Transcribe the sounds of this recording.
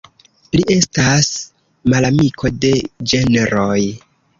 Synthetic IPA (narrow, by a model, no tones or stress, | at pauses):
liʔe̞stas | malamikʰo̞de̞d͡ʒe̞neɾo̞j